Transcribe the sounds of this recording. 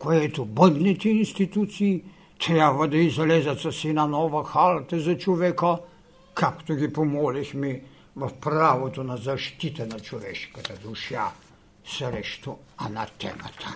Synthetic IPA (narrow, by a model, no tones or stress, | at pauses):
kojɛt̪ubənɡ̪nit̪iinst̪it̪ut̪siji | t̪ɾabɐd̪ɐizalezat̪sasinanɔːʋɔxalt̪ɛzat͡ʃɔʋekɔ | kʰakt̪oɡipomolixmi | ʋəpɾaːʋɔt̪ɔnazaʃt̪it̪ɛnat͡ʃlɔʋḛʃkɛd̪ad̪uʃja | sɾeʃt̪uanat̪ɛ̰ma̰t̪ʰa